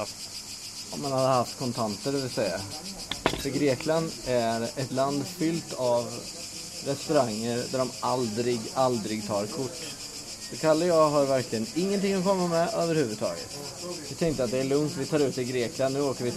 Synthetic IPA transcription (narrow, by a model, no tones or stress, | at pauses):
ɔ̰mːanhad̪əhaft̪kʰɔnt̪ʰant̪əɖɛvɪlsɛjːa | fœɡɾeːkland̪æɾɛt̪land̪fʏlt̪av | ɾɛst̪ɵɾaŋːəɾd̪æɖɔmʔald̪ɾɪɡald̪ɾɪɡt̪ʰɑːɾkʰʊʈː | d̪̥ɛkʰalːəjɑːɡɦaɾvæɾklɪɡənɪŋːənt̪ɪŋːɔkʰɔmːamɛøːvəɾhʉ̟vɵd̪̚t̪ʰɑ̰ːɡə̰t̪ | vɪt̪ʰɛŋkt̪əɾat̪̚d̪ɛæɭɵŋt̪vɪt̪ʰɑːɾʉ̟ːt̪ɪlɡɾeːklannːʉ̟ːoːkəɾvɪ